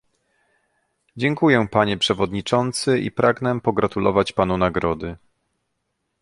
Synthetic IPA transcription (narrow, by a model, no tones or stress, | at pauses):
d͡ʑɛŋkujɛpaɲɛpʂɛvɔd̪ɲit͡ʂɔnt̪sɘḭpɾʔaɡnɛpɔɡɾat̪ulɔ̰vat͡ɕpanunaɡɾɔd̪ɘ